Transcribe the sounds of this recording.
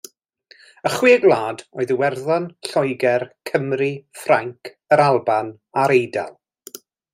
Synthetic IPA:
əχwiːɡlˠaːdoɨðəwɛrðanɬɔjɡɛrkʰəmrifraŋkʰ | əɾalˠban | aɾejda̰lˠ

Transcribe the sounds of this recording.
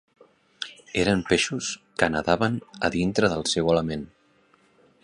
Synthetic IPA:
eɾəmpeʃuskənəðaβənə̰ðint̪ɾəðəlˠsɛwələmen

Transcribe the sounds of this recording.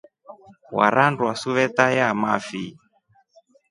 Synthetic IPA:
wa̰ɾʔandwasuβɛtajamafi

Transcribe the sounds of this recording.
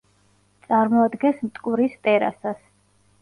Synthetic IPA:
t̪sʼaɾmɔad̪ɡɛnsmt̪ʼkʼuɾist̪ʼɛɾa̰sas

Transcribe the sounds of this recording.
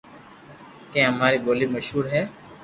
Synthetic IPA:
kẽːɦəmaːɾiːboːliːməʃɦuːɾɦɛː

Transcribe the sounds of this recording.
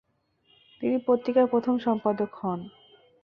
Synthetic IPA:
t̪inipɾot̪ɾikaɾpɾot̪ʰomʃɔmpad̪okhɔn

